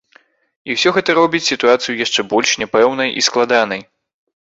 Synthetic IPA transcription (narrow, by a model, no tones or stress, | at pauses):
iwsʲɔɣɛt̪ɐɾɔbʲit͡sʲsʲit̪uat̪sɨjujaʂt͡ʂɛbɔlʲʂnʲɛpɛwnɐjʔḭsklˠad̪an̪ɐj